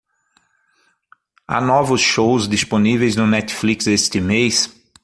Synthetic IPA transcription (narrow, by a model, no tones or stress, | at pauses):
a̰nɔvʊsʃowzd̪isponivejznʊnɛt̪fliksest̪ɪmejs